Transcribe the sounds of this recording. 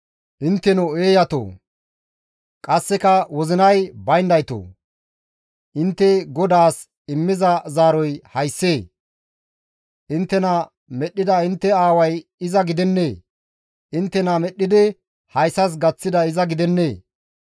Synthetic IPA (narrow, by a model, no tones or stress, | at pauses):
ʔɪnt̪ːɛnɔeːjɐt̪o̰ː | kʼɐsːɛkɐwɔzɪnɐjbɐjnd̪ɐjt̪o̰ː | ʔɪnt̪ːɛɡɔd̪aːs | ɪmːɪzɐzaːɾɔjhɐjsːeː | ʔɪnt̪ːɛnɐ | mɛɗːɪd̪ɐɪnt̪ːɛaːwɐjɪzɐɡɪd̪ɛnːeː | ʔɪnt̪ːɛnɐmɛɗːɪd̪ɪ | hɐjsɐs̬ɡɐt͡sːɪd̪ɐɪzɐɡɪd̪ɛnːeː